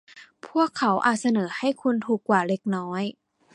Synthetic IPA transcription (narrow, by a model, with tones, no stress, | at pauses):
pʰu˥˩əkʰːa˩˦wʔa̰ː˨˩t̪̚sa˧nɤː˩˦ha˥˩jkʰu˧nt̪ʰuː˨˩kːwaː˨˩le˧˥k̚nɔː˦˥j